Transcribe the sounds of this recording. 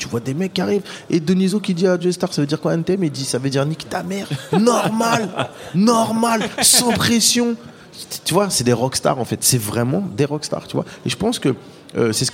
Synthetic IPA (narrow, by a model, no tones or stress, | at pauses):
t̪yvwad̪emɛkːiaʁived̪ənizokʲid̪iadest̪aʁsavød̪iʁkwaɛnt̪eɛmid̪isavød̪iʁnikt̪amɛʁnɔʁmalnɔʁmalsɑ̃pχesjɔ̃ | t̪yvwasɛd̪eʁɔkst̪a̰ʁɑ̃fɛt̪sɛvʁɛmɑ̃d̪eʁɔkst̪a̰ʁt̪yvwa̰eʒəpɑ̃skə | ø̰sɛsə̥